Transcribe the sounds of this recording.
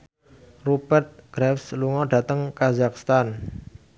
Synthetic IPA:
rubɛrt̪̚ɡ̥ɾɛfsluŋɔɖä̤t̪əŋkazakst̪an

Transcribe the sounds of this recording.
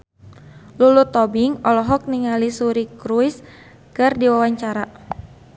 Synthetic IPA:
lulut̪ɔbiŋɔlɔɦɔk̚niŋalisuɾikɾuis | kɨrdiwawaɲt͡ʃaɾa

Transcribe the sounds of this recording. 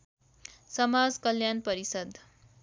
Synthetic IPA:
sʌmad͡zkʌljanpʌɾisʌd̪ʱ

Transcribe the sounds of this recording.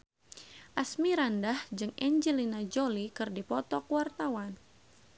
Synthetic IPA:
ʔasmiɾandahd͡ʒɨŋɛɲd͡ʒəlinad͡ʒolikɨrdipɔt̪ɔkwart̪awan

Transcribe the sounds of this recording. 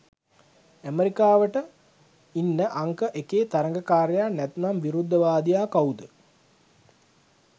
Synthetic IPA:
æmeɾikaːʋəʈə | inːəʔaŋkəʔekeːt̪aɾəŋɡəkaːɾjaːnɛt̪namʋiɾud̪ːəʋaːd̪ijaːkawud̪ə

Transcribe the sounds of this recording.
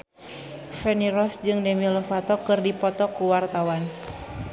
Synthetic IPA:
fɛniɾɔsd͡ʒɨŋdɛmilɔfat̪ɔkɨrdipɔt̪ɔkuwart̪awan

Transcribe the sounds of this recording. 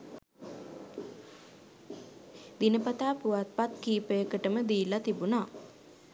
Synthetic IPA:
d̪inəpat̪aːpuʋat̪̚pat̪kiːpəjəkəʈəməd̪iːlat̪ibunaː

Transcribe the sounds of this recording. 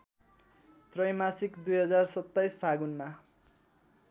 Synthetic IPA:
t̪rʌjmasikd̪ujɦʌd͡zarsʌt̪ːajsbʱaɡunma

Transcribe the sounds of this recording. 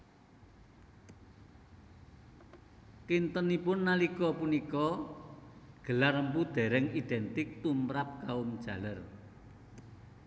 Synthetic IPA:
kint̪ənipʊnːalikɔpunikɔ | ɡ̥ə̤larəmpud̪̥ɛ̤ɾɛŋid̪̥ɛnt̪ɪk̚t̪umɾap̚kaʊmd̥ʒ̥a̤lər

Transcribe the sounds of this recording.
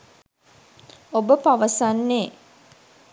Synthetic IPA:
obəpaʋəsanːeː

